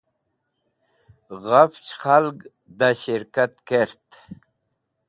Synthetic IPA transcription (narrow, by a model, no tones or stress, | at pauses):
ʁaft͡ɕχalɡ | d̪aɕiɾkat̪keɾt̪